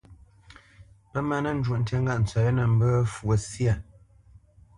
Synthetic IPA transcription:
pə˦ma˦nə˦˨n̩˦d͡ʒwo˨ʔn̩˦ta˦ŋ˦ɡa˦˨ʔn̩˨t͡sɥa˨jə˦nə˨m̩˦bə˦fwə˨sja˦˨

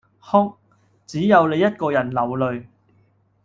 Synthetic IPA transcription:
hʊ˥ŋ̚ | t͡siː˨˥jɐ˨˧wle˨˧jɐ˥t̚kɔː˧jɐ˨˩nlɐ˨wlɵ˨ɥ

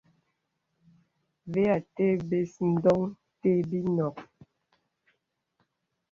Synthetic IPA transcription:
ve˦a˨te˦be˨sn̩˦dɔ˦ŋ | te˦bi˦nɔ˨k

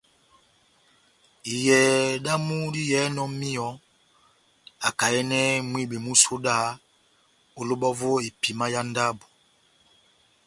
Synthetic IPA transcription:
i˨jɛ˨da˦mu˦di˦jɛ˨˦nɔ˦mi˦ɔ˦ | a˨ka˨ɛ˦nɛ˦mwi˦be˨mu˦so˦da˦ | o˨lo˦bɔ˦vo˦e˨pi˨ma˦ja˦n˦da˦bu˨

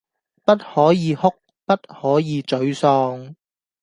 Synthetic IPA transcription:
pɐ˥t̚hɔː˨˥jiː˨˧hʊ˥k̚ | pɐ˥t̚hɔː˨˥jiː˨˧t͡sɵ˨˥ɥsɔː˧ŋ

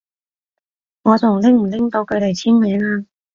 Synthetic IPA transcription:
ŋɔː˨˧t͡sʊ˨˩ŋlɪ˥ŋm̩˨˩lɪ˥ŋt̪o˨˥wkʰɵ˨˧ɥle˨jt͡sʰiː˥nmeː˨˧˥ŋaː˧

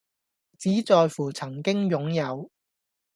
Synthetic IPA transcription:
t͡siː˨˥t͡sɔː˧jfuː˨˩t͡sʰɐ˨˩ŋkɪ˥ŋjʊ˨˥ŋjɐ˨˧w

